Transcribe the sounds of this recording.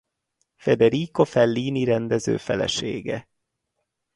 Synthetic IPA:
fɛd̪ɛɾiko̞fɛlːiːniɾɛnd̪ɛzø̰ːfɛlɛ̰ʃeːɡɛ

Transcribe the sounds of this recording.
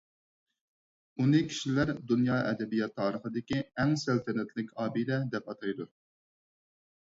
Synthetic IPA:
unɪkʲʰi̥ʃilæɾd̪unjɑːʔɛ̰d̪ɛbijɑt̪ʰːɑːɾəχəd̪ɪkʲiɛŋsælt̪ʰɛnɛt̪ʰlɪkʲʰɑːbiɾɛd̪ɛpɑt̪ʰɑjd̪u

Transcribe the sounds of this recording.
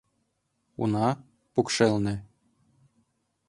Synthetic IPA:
ṵnɑ | pukʃelnɘ̆

